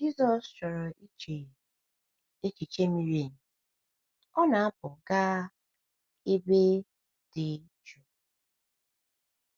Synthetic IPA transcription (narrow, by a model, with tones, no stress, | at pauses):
d͡ʒi˦zɔ˨st͡ʃɔ˨ɾɔ˨i˦t͡ʃe˨ | e˦ki˨t͡ʃe˦mi˨ɾe˨n̩˨ | ɔ˦na˨a˦pʊ˨ɡa˦ | e˦be˦ | d̥ɪ˨ | t͡ʃu˨